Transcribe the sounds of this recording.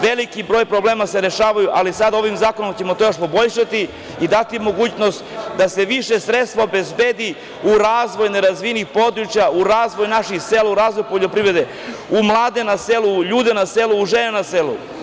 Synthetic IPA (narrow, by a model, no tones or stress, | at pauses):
ʋelikibɾoːjpɾo̞bleːmaseɾe̞ʃaːʋajuʔalisad̪ao̞ʋimzaːkonomt͡ɕemot̪ojoʃpo̞bo̞ʎʃat̪i | id̪at̪imo̞ɡuːt͡ɕno̞st̪d̪ase̞ʋiʃe̞sɾet̪st̪ʋaobe̞zbeːd̪i | uɾaːzʋo̞jne̞ɾazʋinixpo̞d̪ɾut͡ʃjauɾaːzʋojnaʃixselauɾaːzʋo̞jpo̞ʎo̞pɾiʋɾe̞d̪e | umlˠaːd̪e̞naseluʎuːd̪enaseluːʒenenaselṵ